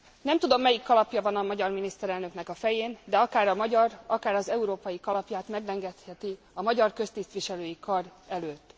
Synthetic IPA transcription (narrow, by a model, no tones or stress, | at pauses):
nɛmt̪ud̪o̞mːɛjikːɒlɒpjɒvɒnɒmɒɟɒrminist̪ɛɾɛlnøkn̪ɛkɒfɛjeːnd̪ɛɒkaːɾɒmɒɟɒrɒkaːɾɒzɛuɾoːpɒjikɒlɒpjaːt̪mɛɡlɛŋɡɛt̪hɛt̪i | ɒmɒɟɒrkø̞st̪ist̪ʋiʃɛløːjikɒrɛløːt̪ː